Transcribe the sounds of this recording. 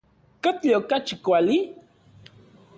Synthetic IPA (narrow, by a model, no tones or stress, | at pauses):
kat̪ʎokat͡ʃikʷali